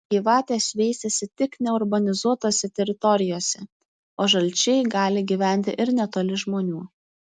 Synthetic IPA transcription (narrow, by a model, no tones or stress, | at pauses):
ɡʲiːʋɑːt̪ʲeːsʲʋʲɛɪsʲɛsʲɪt̪ʲɪknʲɛʊɾbɐnʲɪzuɔt̪oːsʲɛt̪ʲɛɾʲɪt̪ɔɾʲɪjoːsʲɛ | oːʒɐlʲt͡ʃʲɛɪɡɑːlʲɪɡʲiʋʲæˑnʲt̪ʲɪʔɪɾnʲɛt̪oːlʲɪʒmoːnʲuː